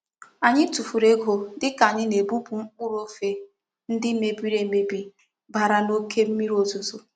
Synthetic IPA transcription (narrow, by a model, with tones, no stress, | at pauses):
a˨ɲɪ˦tu˨fu˨ɾe˦ɡo˨dɪ˦ka˨ɲɪ˦ne˨bu˦bu˨ŋ͡m̩˦k͡pʊ˦ɾo˦fe˨ | n̩˦dɪ˦me˨bi˦ɾe˨me˨bi˨ | ba˨ɾa˨no˦kʰe˦m̩˦mi˦ɾo˨zo˨zo˨